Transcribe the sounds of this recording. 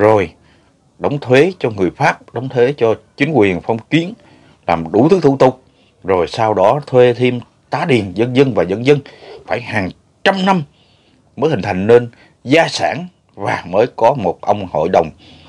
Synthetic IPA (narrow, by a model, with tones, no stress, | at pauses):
zo˨˩j | ɗə˨˦wŋ͡mt̪ʰwe˨˦t͡ɕɔ˧ŋɨ˨˩əjfaː˦˥p̚ɗə˨˦wŋ͡mt̪ʰwe˨˦t͡ɕɔ˧t͡ɕï˨˦ŋ̟kwi˨˩ənfɔ˧wŋ͡mki˨˦ən | laː˨˩mɗu˧˩t̪ʰɨ˨˦˥t̪u˧˥˩t̪ʊ˨˩k͡p̚ | zo˨˩jsaː˧wɗɔ˨˦t̪ʰwe˧t̪ʰi˧m | t̪aː˨˦ɗi˨˩ənzə˧nzə˧nvaː˨˩zə˧nzə˧nfaː˧˩jhaː˨˩ŋ | t͡ɕa˧mna˧m | məː˨˦jhï˨˩ŋ̟t̪ʰjŋ̟ne˧n | zaː˧saː˧˩n | vaː˨˩məː˨˦jkɔ˨˦mo˨˩t̚ʔə˧wŋ͡mho̰˧˨jɗə˨˩wŋ͡m